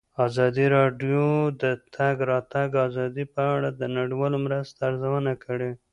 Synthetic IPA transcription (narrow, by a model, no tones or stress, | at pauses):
ɑzɑd̪iɾɑɖjod̪ət̪ʰaɡɾɑt̪aɡɑzɑd̪ipəaɽad̪ənaɽiwɑlomɾəst̪aːɾzawənakəɽe